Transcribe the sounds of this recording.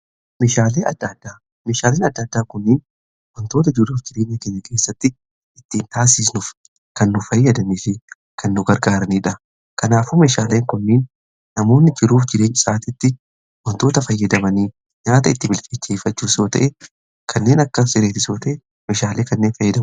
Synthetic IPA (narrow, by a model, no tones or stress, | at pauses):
meːʃaːleːɐd̪ːɐd̪ːaː | meːʃaːleːnɐd̪ːɐd̪ːaːkʊnːiːn | wɔnt̪oːt̪ɐd͡ʒɪɾuːfd͡ʒɪɾe̞ːɲːɐkeɲːɐke̞ːsːɐt̪ːɪ | ɪt̪ːiːnt̪aːs̬iːsnʊf | kɐnːʊfɐjːɐd̪ɐniːfɪ | kʰɐnːʊɡɐɾɡaːɾɐniːᶑɐ | kɐnaːfumeːʃaːle̞ːŋkʊnːiːnː | ɐmo̞ːnːɪd͡ʒɪɾuːfd͡ʒɪɾe̞ːɲːɐsaːt̪ɪt̪ːɪ | wɔnt̪o̞ːt̪ɐfɐjːɐd̪ɐmɐniː | ɲaːt̪ɐɪt̪ːɪbɪlkʼet͡ʃːeːfɐt͡ʃːuːso̞ːt̪ɐ̰ʔɛ | kʰɐnːe̞ːnɐkːɐsɪɾeːt̪ɪsoːt̪ɐʔɛ | meːʃaːle̞ːkɐnːe̞ːnfɐjːɐd̪ɐm